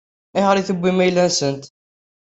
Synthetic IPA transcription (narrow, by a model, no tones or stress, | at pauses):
ihəɾiθəbʷːimæjlːænsənt̪